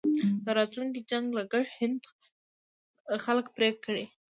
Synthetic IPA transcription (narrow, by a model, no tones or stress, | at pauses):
d̪əɾɑt̪luŋkid͡ʒaŋɡlaɡaɽhɪnd̪ | xaləkpɾekːəɽe